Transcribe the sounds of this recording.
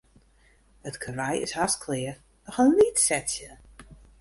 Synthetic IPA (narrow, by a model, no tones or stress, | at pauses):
ətkʰərajɪ̰shaskʰlɪə | nɔxənlitsɛtjə